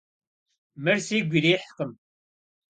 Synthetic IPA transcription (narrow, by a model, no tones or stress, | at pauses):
məɾsiɡʷiðiħqːəm